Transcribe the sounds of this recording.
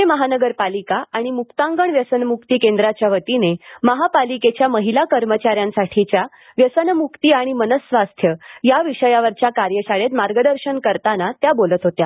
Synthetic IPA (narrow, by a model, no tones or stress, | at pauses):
eməɦanəɡəɾpalikaʔaɽ̃imukt̪ãŋɡəɳʋjəsənmukt̪ikẽnd̪ɾat͡ɕjaʋət̪ineməɦapaliket͡ɕjaməɦilakəɾmət͡ɕaɾjãnsaʈʰit͡ɕja | ʋjəsənmukt̪iaɽ̃imənəsʋast̪ʰjəjaʋiɕəjaʋəɾt͡ɕjakaɾjəɕaɭet̪maɾɡəd̪əɾɕənkəɾt̪anat̪jabolət̪ɦot̪ja